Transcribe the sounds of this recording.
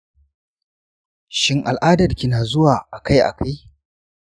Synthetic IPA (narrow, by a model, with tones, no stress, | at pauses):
ʃɪ˦ŋʔa̰˨lʔaː˦dɐ˨lkʲɪ˦naː˨zʊ˦waː˨ʔa˨ka˦jʔa̰˨kʰa˦j